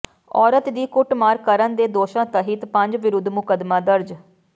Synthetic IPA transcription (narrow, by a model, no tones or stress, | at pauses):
ɔːɾət̪d̪iːkʊʈmaːɾkəɾənd̪eːd̪oːʃãːt̪əɦit̪pə̃ɲd͡ʒʋɪɾʊd̪ʱːmʊkəd̪maːd̪əɾd͡ʒ